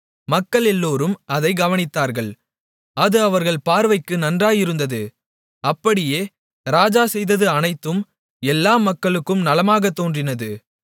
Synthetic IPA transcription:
mɐkːɐɭɛlːoːɾɯmɐðɐɪɡɐʋɐnɪt̪ːaːɾɣɐɭ | ɐðɯɐʋɐɾɣɐɭpaːɾʋɐɪkːɯnɐndraːjɪɾɯnd̪ɐðɯ | ɐpːɐɽɪjeː | ɾaːd͡ʒaːsɛjðɐðɯɐnɐɪt̪ːɯm | ɛlːaːmɐkːɐɭɯkːɯmnɐlɐmaːɣɐt̪ːoːndrɪnɐðɯ

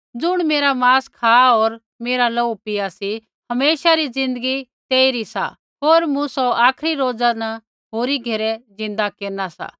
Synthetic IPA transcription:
d͡zʊɽ̃meːɾamaːskʰaːoːɾ | meːɾalɐupɪjasi | hɐmeːʃaɾid͡zɪ̃nd̪əɡit̪eːiɾisa̰ | ɦoːɾmũsɔaːkʰɾiɾoːd͡zana | ɦoːɾiɡʱɐɾɛd͡zɪ̃nd̪akeːnasa̰ː

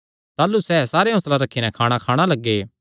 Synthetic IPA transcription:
t̪aːlusɛːsaːɾeɦʊslaɾɐkʰːinɛ̃kʰaːɽ̃akʰaːɽ̃alɐɡːeː

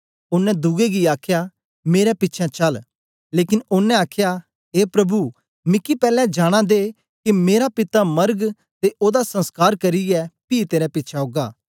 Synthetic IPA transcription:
ʊnːɛ̃d̪uɡeɡiaːkʰja | meːɾɛpɪtːt͡ʃʰɛ̃t͡ʃɐl | leːkɪnʊnːɛ̃aːkʰja | ɦeːpɾɐbu | mɪkːipɛːlɛ̃d͡ʒaːɽ̃ãd̪eː | kimeːɾapɪt̪amɐɾɡ | t̪eʔoːd̪asɐ̃nskaːɾkɐɾiɛpiːt̪eːɾɛ̃pɪtːt͡ʃʰaoɡaː

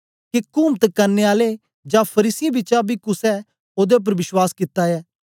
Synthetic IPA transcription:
kekʊmt̪kɐɾneaːle | d͡ʒãːpʰɐɾiːsibɪt͡ʃabʱikʊsɛ | oːd̪eʊp̬əɾʋɪʃwaːskɪt̪ːaɛː

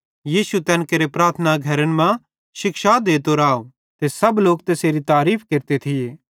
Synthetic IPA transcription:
jiːsut̪ɛːnkeɾepɾaːɾt̪ʰənaɡʱɐɾənmã | ʃɪkʃad̪eːt̪oɾaːo | t̪esɐbloːk̚t̪eːseːɾit̪aːɾiːpʰkeːɾt̪et̪ʰɪjeː

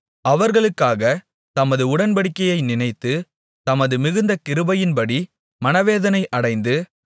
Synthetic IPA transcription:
ɐʋɐɾɣɐɭɯkːaːɣɐ | t̪ɐmɐðɯʊɽɐnbɐɽɪkːɐjɐɪnɪnɐɪt̪ːɯ | t̪ɐmɐðɯmɪɣɯnd̪ɐkɪɾɯbɐjɪnpɐɽi | mɐnɐʋeːðɐnɐɪʔɐɽɐɪnd̪ɯ

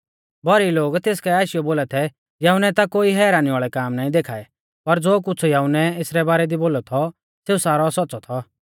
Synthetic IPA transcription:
bɔɾiloːɡt̪eːskɛaːiʃɪjɔboːlat̪ʰɛ | jɐːʊnɛt̪akoːiɦɛːɾaːniʋaːɭɛkaːmnaːĩd̪eːkʰaːɛ | pɐɾd͡zoːk̬ʊt͡sʰujaːʊnɛeːsɾɛbaːɾɛd̪iboːlɔt̪ʰɔ | seːusaːɾɔsɔtːsɔt̪ʰɔ

